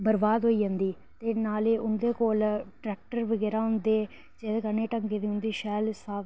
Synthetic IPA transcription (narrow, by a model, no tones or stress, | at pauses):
bəɾbaːd̪ɦoːiːd͡ʒãːnd̪iː | t̪eːnaːleːʔʊnd̪eːkoːlʈɾɛːk̚ʈəɾʋəɡɛːɾaːɦʊnd̪eː | d͡ʒeːd̪eːkəneːʈəŋɡeːd̪iːɦʊ̃nd̪iːʃɛːlsaː